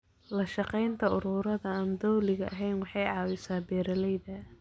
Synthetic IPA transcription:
lɐʃɑqɛjnt̪ʰɐʊɾuːɾɐðɐːmd̪ɔwlɪɣɐʔɐ̰ɦɛjnwɑħɑjʕɑːwɪsaːbɛːɾɐlɛjðɐ

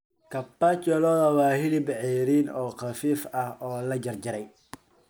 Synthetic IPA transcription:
kʰɐpːat͡ʃɔlɔːðɐwɑːhɪlɪbʕɛɾiːnɔːqɐfiːfɐhɔːlɐd͡ʒɐrd͡ʒɐɾɛj

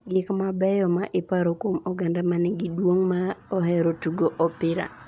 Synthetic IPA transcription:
ɡɪkmabɛjɔmaʔɪpaɾokwomɔɡandamanɛɡidwoŋmaɔɦɛɾotuɡoʔɔpɪɾa̰

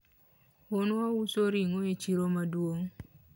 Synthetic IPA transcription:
ʊnausoɾiŋoet͡ʃiɾomadwoŋ

